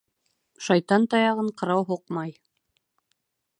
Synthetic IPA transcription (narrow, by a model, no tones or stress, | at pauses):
ʃɑjt̪ɑnt̪ɑjɑʁɤɴqɤ̆ɾɑwɦuqmɑj